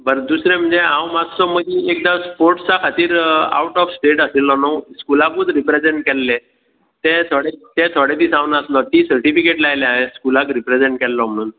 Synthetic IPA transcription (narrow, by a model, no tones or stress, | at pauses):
bəɾd̪usɾem̤əɳd͡zeãwmad͡zt͡sɔməɡĩek̚d̪ãspoɾʈt͡sakʰat̪iːɾa̰wʈɔfsʈeʈəsilːɔnɔskulakuːd͡zɾipɾed͡zeɳʈ̚kɛlːẽ | t̪ẽt̪ʰoɽet̪ẽt̪ʰɔɽet̪iːsãwnaəslɔt̪isəɾʈifikeʈlajleãeskulakɾipɾed͡zeɳʈ̚kɛlːɔm̤əɽ̃uːn